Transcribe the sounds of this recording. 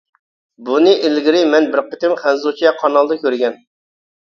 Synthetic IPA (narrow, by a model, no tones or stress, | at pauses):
bunɨʔɪlɡʲɪɾɪmɛnbɪɾqʰət̪ɪmχænzut͡ʃʰɛqʰɑnɑlˠd̪ɨkʲøɾɡʲɛn